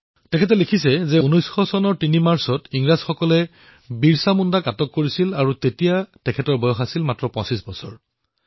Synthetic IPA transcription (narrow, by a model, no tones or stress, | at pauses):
tɛkʰɛtɛlekʰis̬ɛzɛunɔjsxɔsɔnɔɹtinimaɹsɔtiŋɹazxɔkɔlɛ | biɹsamundakatɔkːoɹisilaɹutetijatɛkʰɛtɔɹbɔjɔxasilmatɹɔpɔ̃sisbɔsɔɹ